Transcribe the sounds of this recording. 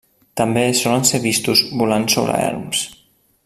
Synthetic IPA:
t̪ambesɔlanseɾβist̪uzbulanso̰βɾa̰ɛ̰ɾms

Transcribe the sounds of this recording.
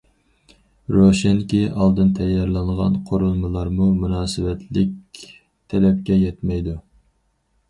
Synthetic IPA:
ɾoʃɛnkʲiʔɑlˠd̪ɨnt̪ʰɛjɑɾlˠɑɴʁɑ̰nqʰoɾulˠmɨlˠɑɾmumunɑːsɨwɛt̪ʰlɪk̚ʲ | t̪ʰɛlɛp̚kʲɛjɛt̪mɛjd̪u

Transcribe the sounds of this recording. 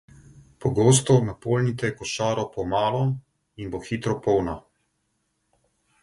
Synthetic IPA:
pɔɡoːst̪ɔnapolnit̪ɛɛkɔʃaːɾɔpɔmaːlɔ | inboxit̪ɾɔpɔwna

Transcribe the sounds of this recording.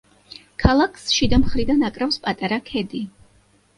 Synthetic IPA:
kʰalˠakʰsʃid̪amχɾid̪anakʼɾafspʼat̪ʼaɾakʰɛd̪i

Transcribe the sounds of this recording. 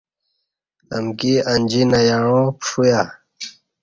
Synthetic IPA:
ə̰mkiənʲd͡ʑinajaɻ̃õpʂuja

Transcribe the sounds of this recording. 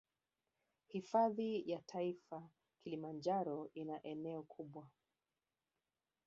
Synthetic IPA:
hifaðijatʰaifa | kilimand͡ʒaɾɔʔinaʔɛnɛɔkʰuɓwa

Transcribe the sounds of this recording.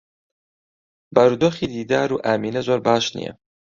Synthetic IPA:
bɐɾuːd̪oːxiːd̪iːd̪aːɾuːʔaːmiːnɐzoːɾbaːʃnḭjɛ̰

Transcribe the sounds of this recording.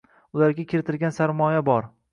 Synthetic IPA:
ʊlaɾɡʲakʲʰeɾɪt̪ʰɪlɡʲansaɾmɒjabɒɾ

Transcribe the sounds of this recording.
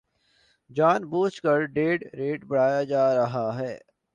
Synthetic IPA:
d͡ʒaːnbuːt͡ʃkəɾɖeːɖɾeːʈbɐɽ̤aːjad͡ʒaːɾɐɦaɦɛː

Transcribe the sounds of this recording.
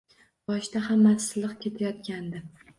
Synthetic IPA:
bɒʃt̪ahamːasɪlˠɨqkʲʰe̞t̪ʰajɒt̪̚kʲand̪ɪ

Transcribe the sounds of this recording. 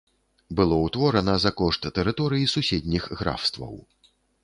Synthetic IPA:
bɨlˠɔwt̪vɔɾɐnɐzɐkɔʂt̪ːɛɾɨt̪ɔɾɨjisusʲɛd̪ʲnʲixɣɾa̰fst̪vɐ̰w

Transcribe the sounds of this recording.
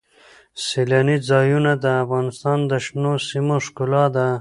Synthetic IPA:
selanid͡zɑjunad̪əːfɣɑnɪst̪ɑnd̪əʃnosimoʂkulɑd̪a

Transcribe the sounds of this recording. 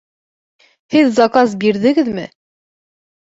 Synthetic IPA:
hɘðzɑkɑs̬biɾðɘ̆ɡɘðmɘ

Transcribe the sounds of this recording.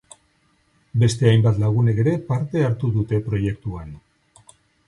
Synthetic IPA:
be̞st̪e̞ajmbat̪laɣ̞une̞ke̞ɾe̞paɾt̪e̞aɾt̪uðut̪e̞pɾo̞je̞k̚t̪uan

